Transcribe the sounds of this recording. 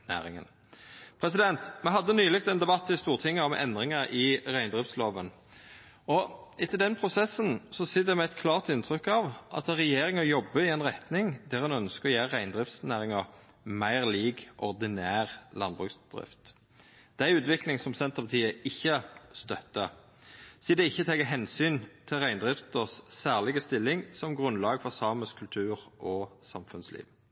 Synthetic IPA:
næ̰ːʁɪŋə̰n | pʰɾɛsɪd̪ɛnt̪mɛɦɑd̪ːənyːlɪk̚t̪ɛnd̪ɛbɑt̪ːɪst̪uːʁt̪ʰɪŋːəɔmʔɛ̰nd̪ʁɪŋəɾʔɪʁæɪnd̪ʁɪft̪sloːʋən | ɔɪt̪ːəld̪ɛnpʰʁʊsɛsːənsɔsɪt̪d̪ɛmɛæt̪kʰlɑːʁt̪ɪnt̪ʰɾʏkːɑʋʔɑ̰t̪ɛʁɛjeːʁɪŋəjɔbːəɪɛnʁɛt̪nɪŋd̪æʁɑnœnskəɔjæːʁʁæɪnd̪ʁɪft̪snæːʁɪŋə | mæɪʁliːkʔɔʁd̪ɪnæːʁlɑnbʁʉːksd̪ʁɪ̰ft̪ | d̪̥æʉːt̪ʋɪklɪŋsɔmsɛnt̪əʁpʰɑt̪ʰiːəɪçːəst̪œt̪ːə | siːd̪ɛɪçːət̪ʰɛːɡəɦɛnsyːnt̪ʰɪlʁæɪnd̪ʁɪft̪əsːæːʁlɪɡəst̪ɪlːɪŋsɔmɡʁʉnlɑːɡfɔʁsɑːməskʰʉlt̪ʰʉːʁʔɔsɑmfʉnslḭːʋ

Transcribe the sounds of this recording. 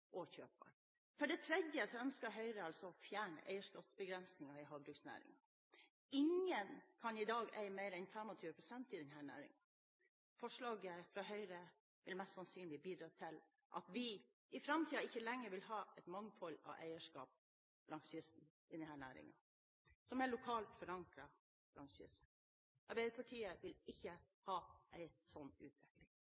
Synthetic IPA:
ʔɔçøːpbɑ̰ɳ | fɔɖɛt̪ʰɾɛd̪jəsɔœnskəɦœʏɾəɑlsɔɔfjæːɳə̰ʔæ̰ɪəʂkɑːpsbəɡɾɛnsnɪŋɑɪɦɑːɡ̚bɾʉksnæ̰ːɾɪ̰ŋɑ | ɪŋənkʰɑnɪd̪ɑːɡæɪmæɪɾɛɪnt̪ʰɑmɑt̪ʰʉːɾəpʰɾʊsɛnt̪ɪd̪ɛnɦæːɳæ̰ːɾɪ̰ŋən | fɔʂɭɑːɡəfɾɑɦœʏɾə | ʋɪlmɛst̪sɑnsyːnlɪbiːd̪ɾɑːt̪ʰɪl | ʔɑ̰t̪ʋɪ | ɪfɾɑmt̪ʰiːɑɪçːəlɛŋːəɾʋɪlɦɑːɛt̪mɑŋfɔlɑ̰ʋʔæ̰ɪəʂkɑ̰ːp̚ | b̥lɑnsʏsn̩ | ɪd̪ɛnhæːɳæ̰ːɾɪ̰ŋɑ̰ | sɔmæɭʊkʰɑːlt̪fɔɾɑŋkɾɑ | b̥lɑnsʏ̰sn̩ | ʔɑɾbæɪd̪əpʰɑʈʰiːəʋɪlɪçːə | hɑːʔæɪsɔnːʉ̰ːt̪ʰʋɛklɪŋ

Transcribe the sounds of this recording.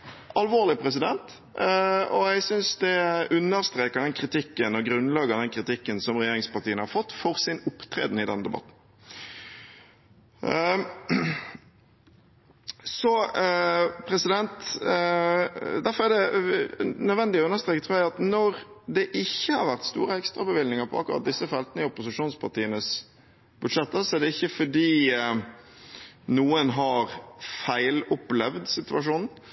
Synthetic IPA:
ʔɑlʋoːʁlɪpʰɾɛs̬ɪd̪ɛnt̪ | ɔæsʏnsd̪ɛʉnːəɾst̪ɾeːkəd̪ɛnkʰɾɪt̪ʰɪkːənɔɡɾʉnlɑːɡɑd̪ɛnkʰɾɪt̪ɪkːənsɔmʁɛjeːɾɪŋspɑʁt̪iːənhɑɾfɔt̪ːfɔʁsɪnʊpt̪ʰɾḛːd̪n̩ɪd̪ɛnəd̪ɛbɑ̰t̪n̩ | sɔ | pʰɾɛsɪd̪ɛnt̪ | d̪æɾfɔɾæɖɛ | nœd̪ʋɛnd̪ɪɔʉnːəɾst̪ɾeːkət̪ʰɾʉːjæɪɑt̪nɔɾd̪ɛʔɪçːəhɑɾʋæɾt̪st̪ṵːɾəɛkst̪ɾɑbəʋɪlnɪŋəɾpʰɔ̰ɑ̰kːʊɾɑ̰t̪̚d̪ɪsːəfɛlt̪ənəɪʊpʊsɪʂuːnspʰɑɾt̪iːənəs | b̥ʉd̪ʂɛt̪ːəɾsɔɛɖ̪ɛɪçːəfɔɖiː | nuːənɦɑɾfæɪlʊplɛʋd̪sɪt̪ʉɑʂuːnn̩

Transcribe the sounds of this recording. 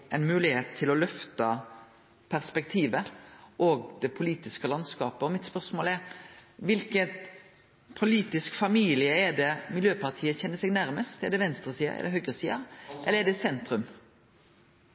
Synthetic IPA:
ɛɪnmʉːlɪheːt̪ʰːɪlɔlœft̪ə | pʰæɾspɛk̚t̪ʰiːʋəʔɔːɡ̚d̪ɛpʰʊliːt̪ɪskəlɑnskɑːpəɔmɪt̪spœɾsmoːlɛɾʋɪlkət̪ | pʰʊliːt̪ɪskfɑmiːlɪəɛd̪ɛmɪljøːpɑʁt̪ʰiːəçɛnːəsɛɡnæɾməst̪ɛd̪ɛʋɛnst̪ɾəsiːə̰ʔɛ̰d̪ɛɦœɡɾəsiːəɾʔɛləɛd̪ɛsɛnt̪ɾʉm

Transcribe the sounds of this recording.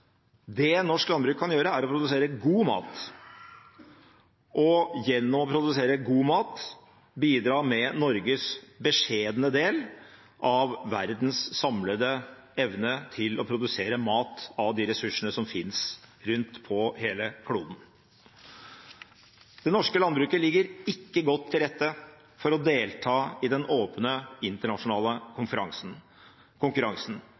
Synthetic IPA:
d̪ɛnɔʂklɑnbɾʉːkʰːɑnjøːɾəæɾɔpʰɾʊd̪ʉseːɾəɡuːmɑ̰ːt̪ | ʔɔjɛnːɔmɔpʰɾʊd̪ʉseːɾəɡuːmɑːt̪ | biːd̪ɾɑːmɛnɔɾɡəsbəʂeːd̪ənəd̪eːl | ʔɑʋːæɾd̪n̩sːɑmləd̪ə | ɛʋnət̪ʰɪlɔpʰɾʊd̪ʉseːɾəmɑːt̪ɑʋd̪ɪɾɛsʉʂːənəsɔmfɪnsɾʉnt̪pʰɔheːləkʰluːd̪n | d̪̥ɛnɔʂkəlɑnbɾʉːkəlɪɡːəɾɪkːəɡɔt̪ʰːɪlɾɛt̪ːə | fɔɾɔd̪eːlt̪ʰɑːɪd̪ɛnoːpnəɪnt̪əɳɑʂʊnɑːləkʰʊnfəɾɑŋsn | kʰʊŋkʉɾɑŋsn̩

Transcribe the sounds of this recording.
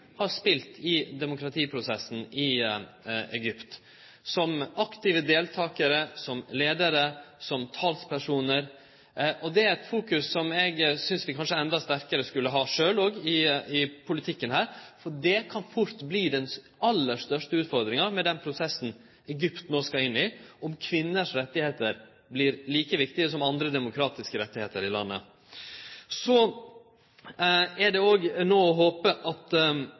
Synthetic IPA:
hɑɾspɪlt̪ʰɪd̪ɛmʊkɾɑt̪ʰiːpʰɾʊsɛsn̩ɪ | ɛɡʏpt̪ | sɔmɑkt̪ɪʋəd̪eːlt̪ʰɑːkəɾəsɔmleːd̪əɾəsɔmt̪ʰɑːlspʰæʂuːnəɾ | ʔɔd̪ɛæɾɛt̪fuːkʉsːɔmɛɡsʏnsʋɪkʰɑnʂəɛnd̪ɑst̪æɾkəɾəskʉlːəɦɑːʂøːlɔːɡɪɪpʰʊlɪt̪ʰɪkːənɦæːɾfɔɖɛkʰɑnfʊɾt̪bliːd̪ɛn | ɑlːəʂt̪œʂʈəʉːt̪fɔɾd̪ɾɪŋɑmɛd̪ɛnpʰɾʊsɛsːn̩ | ɛɡʏpt̪noːskɑɾɪnːɪɔmkʰʋɪnːəʂɾɛt̪ːɪheːt̪əɾ | blɪɾliːkəʋɪkt̪ɪəsɔmɑnd̪ɾəd̪ɛmʊkʰɾɑːt̪ɪskəɾɛt̪ːɪheːt̪əɾɪlɑ̰nːə̰ | sɔ | æɖɛoːɡnoːɔɦoːpəʔɑt̪

